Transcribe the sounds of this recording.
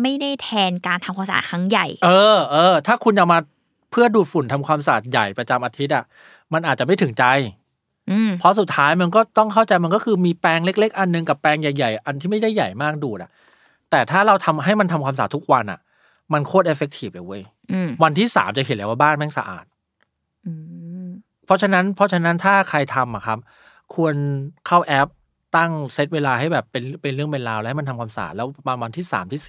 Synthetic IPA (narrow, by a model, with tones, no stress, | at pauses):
ma˥˩jda˥˩jt̪ʰɛː˧nkaː˧nt̪ʰa˧mkʰaː˧msa̰ː˩kʰɾa˦˥ŋja˨˩jʔɤː˧ʔɤː˧t̪ʰaː˥˩kʰu˧nja˨˩wmaː˧ | pʰɯ˥˩ɐduː˨˩t̪̚fu˨˩nt̪ʰa˧mkʰwaː˧msaː˨˩t̪̚ja˨˩jpɾa˧t͡ɕa˧mʔaː˧t̪ʰi˦˥ʔa˨˩ | ma˧nʔaː˨˩t̪̚t͡ɕa˨˩ma˥˩t̪ʰɯ˩˦ŋt͡ɕa˧j | ʔɯː˧˩mpʰɔ˦˥s̬u˨˩t̪ʰːaː˦˥jma˧nkɔː˥˩t̪ɔ˥˩ŋkʰa˥˩wt͡ɕa˧jma˧nkɔː˥˩kʰɯː˧miː˧pɛː˧ŋle˦˥k̚le˦˥k̚ʔa˧nːɯ˨˧ŋka˨˩pːɛː˧ŋja˨˩jːa˨˩jʔa˧nt̪ʰiː˥˩ma˥˩jda˥˩jːa˨˩jmaː˥˩k̚duː˨˩t̪̚a̰˨˩ | t̪ɛː˨˩t̪ʰaː˥˩ɾa˧wt̪ʰa˧mɦa˥˩jma˧nt̪ʰa˧mkʰaː˧msaː˨˩t̪ʰːu˦˥k̚wa˧nʔa̰˨˩ | ma˧nkʰoː˥˩t̪ʔe˦˥fe˧˦k̚t̪ʰiː˨˩p̚le˨˩˦wɤ˧˥˩j | wa˧nt̪ʰiː˥˩sa̰ː˩˦mt͡ɕa˨˩ɦe˨˦nlaː˧˩waː˥˩baː˥˩nmɛː˥˩ŋsa̰˧ʔa̰ː˨˩t̪̚ | ɯː˧˩ | pʰːɔ˦˥t͡ɕʰa˧na˦˥npʰɔ˦˥t͡ɕʰa˧na˦˥nt̪ʰaː˥˩kʰa˧jt̪ʰa˧mːʔa˨˩kʰa˦˥p̚ | kʰu˧ənkʰa˥˩wʔɛ˦˥p̚ | t̪a˥˩ŋse˦˥t̪̚weː˧laː˧ha˥˩jbɛː˨˩pːe˧n˥pe˧nɾɯ˥˩əŋmpe˧nlaː˧wlɛ˧˦hjma˧nt̪ʰa˧mkʰaː˧msa̰ː˨˩t̪̚lɛː˦˥wma˧nwa˧nt̪ʰiː˥˩sa̰ː˩˦mt̪ʰiː˥˩si̥˨˩